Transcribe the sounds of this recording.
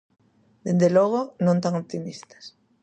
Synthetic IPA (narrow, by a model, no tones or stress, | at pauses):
d̪end̪eloɣ̞onõnt̪aŋopt̪imist̪ḁs